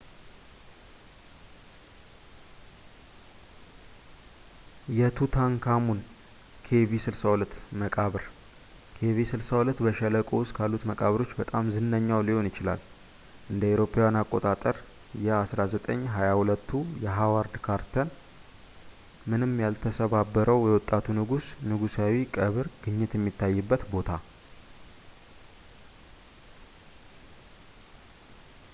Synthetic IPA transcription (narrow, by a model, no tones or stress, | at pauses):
jɛt̪ʰut̪ʰaŋkʰamun | kʰe̞visɨlsawulət̪ːməkʼaβɨɾ | kʰe̞visɨlsawulət̪ːbəʃɛləkʼowst̪ʼkʰalːut̪məkʼaβɾo̞t͡ʃːbət̪ʼamzɨnːəɲːawliho̞njɪt͡ʃɪla̰l | ʔɨnd̪əeɾo̞pʰewanakʼːo̞t̪ʼat̪ʼəɾ | jɛasɾazət̪ʼəɲːɦajahulət̪ʰːujɛɦawaɾd̪kʰaɾt̪ʰən | mɨnɨmjalt̪ʰəsəβabːəɾəwjɛwɔt̪ʼːat̪ʰunɨɡusnɨɡusawikʼəβɨɾɡ̥ɨɲːɪt̪jɛmːit̪ʰːajːɨbːət̪bo̞t̪ʰa